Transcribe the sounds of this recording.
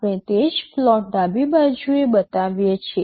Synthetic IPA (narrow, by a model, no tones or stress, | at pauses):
ẽt̪ed͡ʒflɔʈ̚d̪abibad͡ʒʱuebət̪aʋjet͡ʃʰe